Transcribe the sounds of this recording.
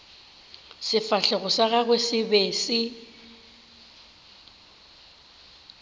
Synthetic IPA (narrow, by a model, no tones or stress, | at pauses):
sɪfaɬɛɣʊsaɣaɣwesɪbeːsɪ